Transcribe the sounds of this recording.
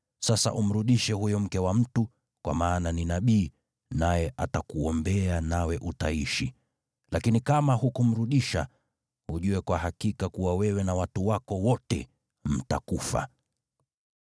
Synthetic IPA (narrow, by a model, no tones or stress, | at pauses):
sasa̰ʔum̩ɾuɗiʃɛhujɔm̩kɛwam̩tu | kwa̰maːnaninaɓiː | najɛʔatakuɔmbɛanawɛʔutaiʃi | lakinikamaɦukum̩ɾuɗiʃa̰ | huʄuwɛkwaɦakikakuwawɛwɛnawatuwakɔwɔtɛ̰ | m̩ta̰kufa̰